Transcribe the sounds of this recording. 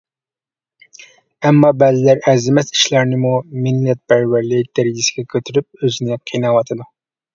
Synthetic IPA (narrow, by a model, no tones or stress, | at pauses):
ɛmːɑbɛzɪlæɾɛzɪmɛsi̥ʃlæɾnɪmumɪlːɛt̪̚pʰæɾwæɾlɪd̪̥æɾɪɡʲisɪ̥ɡʲɛkʲʰøt̪ʰyɾyp̚øzɪnɪqʰinɑwɑt̪ʰɨd̪u